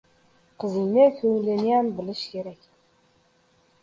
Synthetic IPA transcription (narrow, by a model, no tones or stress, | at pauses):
qəzinɘkʰɵŋleniɑnbɘ̆lɘʃkʲʰeɾækʲ